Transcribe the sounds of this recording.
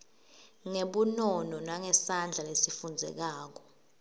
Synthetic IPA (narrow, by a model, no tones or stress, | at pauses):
ŋeɓunɔnɔnaŋɛsand͡ɮʱalesifund͡zʱɛ̰k̬aːk̬ɔ̥